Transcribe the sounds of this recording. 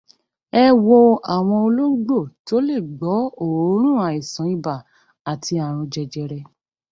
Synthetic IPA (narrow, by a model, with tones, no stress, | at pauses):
ɛ˧wo˧a˨w̃ɔ̃˧o˧lo˦ɡ͡bo˦˨to˨˦le˦˨ɡ͡bɔ˨˦o˦˨o˨˦ɾ̃ũ˦˨a˨i˨sã˨˦i˦˨ba˨ | a˨tʰi˧a˨ɾ̃ũ˧d͡ʒɛ˧d͡ʒɛ˧ɾɛ˧